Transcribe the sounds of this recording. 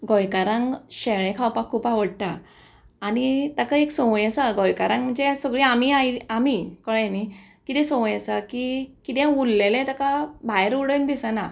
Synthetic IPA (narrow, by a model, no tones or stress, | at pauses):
ɡɔjkaɾãŋɡɕeɭɛ̃kʰawpakʰːuːpaʋəɽʈaː | ɽit̪akaeksɔ̃w̃jəsaɡɔjkaɾãŋɡm̤əɳd͡zesəɡɭiamiaiamikəɭnikit̪ɛ̃sɔ̃wjəsakikit̪ɛ̃ulːelẽt̪əkabajɾuɽənd̪isəna